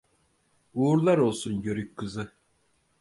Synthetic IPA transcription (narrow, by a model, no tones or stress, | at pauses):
uːɾlˠaɾo̞lˠsunjøɾyckʰːɯzɯ